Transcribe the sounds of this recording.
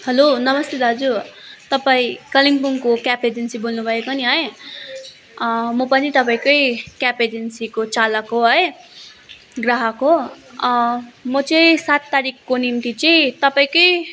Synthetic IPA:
hʌlonʌmʌst̪ed̪ʱad͡zut̪ʌpaĩkʌliŋpuŋkokjaped͡zensibolnubʱʌekoniɦʌj | mʌpʌnit̪ʌpaĩkʌjkjaped͡zensikot͡salʌkoɦʌj | ɡraɦʌko | mʌt͡sʌĩsat̪ːaɾikːonimt̪it͡sʌĩt̪ʌpaĩkʌj

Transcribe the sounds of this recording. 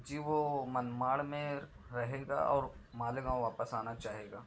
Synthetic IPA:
d͡ʒiːʋomənmaːɽmẽ | ɾɐɦeːɡa̰ɔːɾmaːlɡãːw̃ʋaːpəsaːnat͡ʃaːɦeːɡaː

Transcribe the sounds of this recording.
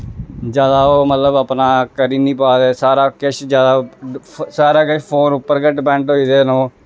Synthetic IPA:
d͡ʒjaːd̪aːoːmət̪ləbaːpnaːkəɾiːniːpaːd̪eːsaːɾaːkɪʃd͡ʒjaːd̪aː | saːɾaːkət͡ʃpʰoːnʊpːəɾɡəʈbɛ̃ːɳʈɦoːiːd̪eːnõː

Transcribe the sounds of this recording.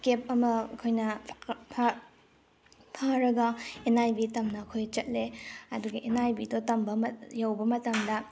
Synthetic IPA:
kep̚ɐmɐɐkʰojnɐpʰ | pʰaɾɐɡɐenajbitɐmnɐːkʰojt͡ʃɐt̚leɐduɡɐʔenajbidotɐmbɐmɐjawbɐmɐtaŋdɐ

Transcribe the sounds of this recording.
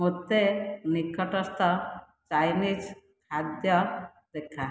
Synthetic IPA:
mot̪ːenikːɔʈɔst̪ɔ | t͡ʃajnid͡ʒ | kʰad̪jɔ | d̪ekʰːa

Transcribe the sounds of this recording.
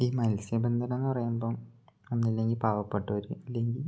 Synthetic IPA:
iːmɐlsjɐbend̪ʱɐnɐnːɨpɐrɐjumboːonːilːe̞ŋɡilpaːʋɐpːeʈːuʋɐɾuɐlːe̞ŋɡil

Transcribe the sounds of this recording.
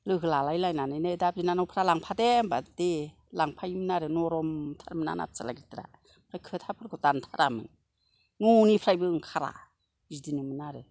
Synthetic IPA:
lɯɡɯlalajlajnanajnedap̚zinanɔwpʰɾalaŋpʰadembade | laŋpʰajmɯnaɾɯnɔɾɔmtʰaɾmɯna̰na̰p̚t͡sala̰ɡitɾa̰ | pʰɾajkʰɯtʰapʰɯɾkʰɔtantʰaɾʔamɯ̰ŋ | nunipʰɾajbɯŋkʰaɾa̰ | zidinɯmɯnaɾɯ

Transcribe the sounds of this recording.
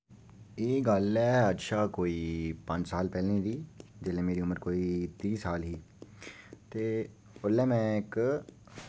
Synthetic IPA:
eːɡəlɛːətːʃʰaːkoːiːpə̃ɲd͡ʒsaːlpɛːlẽːd̪iːd͡ʒɪlẽːmeːɾiːʊməɾkoːiːt̪iːsaːlɦiː | t̪eː | ʊlɛːmɛ̃ːɪk

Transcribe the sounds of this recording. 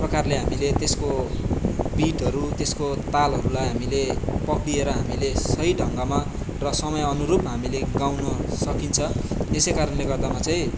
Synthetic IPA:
prʌkarleɦamilet̪esko | biʈɦʌɾut̪eskot̪alɦʌɾulajɦamilepʌkɽieɾʌɦamilesʌɦiɖʱʌŋɡama | rʌsʌmʌjʌnuɾupɦamileɡawnʌsʌkint͡sʰʌesejkaɾʌnleɡʌrd̪amat͡sʌĩ

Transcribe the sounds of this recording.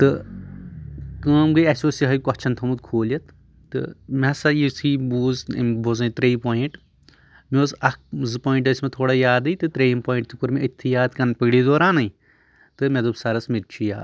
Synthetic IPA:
t̪ɨ | kəːmɡɨjɐsʲoːsiɦɐjkɔt͡ʃʰɐnt̪ʰɐmud̪̚kʰoːlɐt̪ː | ɨ̰mɐsɐjisiːbuːz̰mbozɐ̃nt̪ɾejipoːĩɳʈ | mʲoːzɐkzɨpoːiɳʈɐsʲmet̪ʰoːɽajaːd̪ɨjt̪ɨt̪ɾejimpoːĩɳʈt̪ɨkuɾmiit̪ʲʰːijaːd̪kɐnpɐɡɽid̪oːɾãːnɐj | t̪ɨmʲed̪ubsɐɾɐsmiɾ̚t͡ʃʰija̰ːd̪

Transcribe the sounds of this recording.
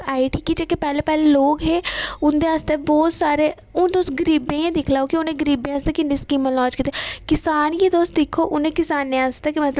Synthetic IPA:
aːiʈiːkit͡ʃekepɛːleːpɛːleːloːkɦeːʊnd̪eːast̪eːbɔːt̪saːɾeː | ʊd̪oːsɡəɾiːbẽːẽːd̪ɪkʰlaːokiʊnẽːɡəɾiːbẽːast̪eːkɪniːskiːmõlaːd͡ʒkit̪ːekɪsaːnjeːd̪oːst̪d̪ɪkʰːoːʔʊnẽːkɪsaːnːẽːast̪eːkimɛt̪l

